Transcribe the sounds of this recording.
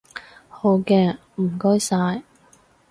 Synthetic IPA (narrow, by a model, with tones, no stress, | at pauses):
ho˨˧wkɛː˧ | m̩˨˩kɔː˥jsaː˧j